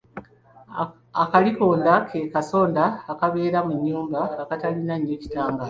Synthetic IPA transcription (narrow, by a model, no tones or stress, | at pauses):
akaliko̞ːndakʰekaso̞ːndaːkaβe̞ːɾamuɲːuːmbaːkatalinaɲːeci̥taːŋɡa